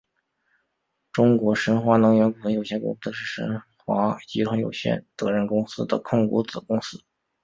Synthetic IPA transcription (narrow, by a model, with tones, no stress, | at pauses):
ʈ͡ʂʊ˥ŋkwɔ˧˥ʂə˧˥nxwa˧˥nɤ˧˥ŋɥɛ˧˥nku˨˩ɤ˧˥ŋjo˨˩ʊɕjɛ˥nkʊ̰˥˧˥ʂɻ̩˥˩ʂə̰˧˥nxwa˧˥t͡ɕi˧˥ʈ͡ʂʰə˧˥ŋjo̰˨˩ʊɕjɛ̰˥˩nt̪ɤ˧˥ɻə˥˩nkʊ˥ŋsɹ̩˥d̪ə̰˨kʰʊ˥˩ŋkṵ˧˥t͡sɹ̩˨˩kʊ˥ŋsɹ̩˥